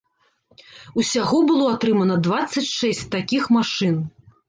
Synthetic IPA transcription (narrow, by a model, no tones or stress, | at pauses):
usʲaɣɔbɨlˠɔat̪ɾɨmɐnɐd̪vat̪sːɐt͡sʲʂɛsʲt͡sʲt̪akʲixmaʂɨn